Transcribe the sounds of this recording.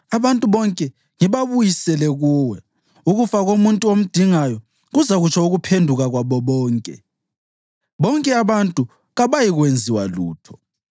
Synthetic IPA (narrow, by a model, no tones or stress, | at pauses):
aβantʼuβɔŋkʼɛ | ŋiβaβujisɛlɛɣuːwɛ | uɣufaɣomuntʼuom̩d̥ʱiŋajɔ | ɣuzaɣut͡ʃʰauɣupʰendʱuɣaɣwaβɔβɔːŋkʼɛ̰ | βɔŋkʼɛaβantʼu | ɣaβajiɣwend͡zʱiwaluːtʰɔ̥